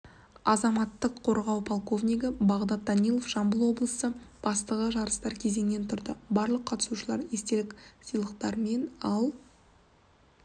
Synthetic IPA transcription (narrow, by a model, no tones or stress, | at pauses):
ɑzɑmɑt̪ːəqʰːo̞ɾʁɑwpʰolˠko̞vnʲijɡəbɑʁd̪ɑt̪̚d̪ɑnijlˠo̞fʒ̥ɑmbəlˠwo̞blˠəsəb̥ɑst̪əʁəʒɑɾəst̪ɑɾkʲʰe̞ze̞ŋnent̪ʰʊɾd̪əbɑɾlˠəqʰːɑt̪ə̥suʃəlˠɑɾest̪e̞lɪksijlˠəqt̪ɑɾme̞nɑlˠ